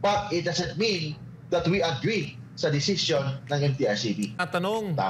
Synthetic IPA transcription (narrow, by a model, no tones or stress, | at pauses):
bɐt̪̚ɪt̪̚d̪asɐ̃nt̪̚mĩn | ðɐt̪wiʔɐɡɹi | sɐd̪ɪsɪsjonːɐ̃ŋɛmt̪iaɹsibiɐt̪ɐnoŋt̪a̰